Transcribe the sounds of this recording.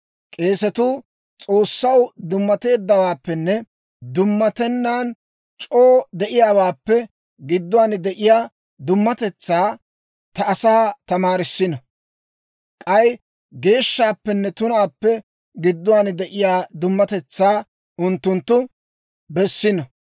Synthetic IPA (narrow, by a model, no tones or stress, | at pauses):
kʼe̞ːsɛt̪ʊː | t͡sʼo̞ːsːɐwd̪ʊmːɐt̪e̞ːd̪ːɐwaːpːɛnːɛ | d̪ʊmːɐt̪ɛnːaːn | t͡ʃʼoːd̪ɛʔɪjaːwaːpːɛ | ɡɪd̪ːʊwaːnd̪ɛʔɪjaː | d̪ʊmːɐt̪ɛt͡sːaː | t̪ɐːsaːt̪ɐmaːɾɪsːɪnɔ | kʼɐj | ɡe̞ːʃːaːpːɛnːɛt̪ʊnaːpːɛ | ɡɪd̪ːʊwaːnd̪ɛʔɪjaːd̪ʊmːɐt̪ɛt͡sːaː | ʊnt̪ːʊnt̪ːʊ | bɛsːɪnɔ